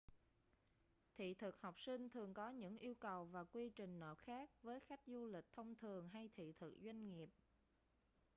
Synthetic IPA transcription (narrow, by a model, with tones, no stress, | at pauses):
t̪ʰḭ˧˨t̪ʰɨ˨˩k̚hɔ˨˩wk͡p̚sï˧ŋ̟t̪ʰɨ˨˩əŋkɔ˨˦ɲɨ̰˧˥ŋʔi˧əwkə˨˩wvaː˨˩kwi˧t͡ɕï˨˩ŋ̟nə̰ː˨˩p̚xaː˦˥k̚vəː˨˦jxa˦˥jk̟̚zu˧lï˨˩k̟̚t̪ʰə˧wŋ͡mt̪ʰɨ˨˩əŋɦa˧jt̪ʰḭ˧˨t̪ʰɨ˨˩k̚zwa˧jŋ̟ŋi˨˩əp̚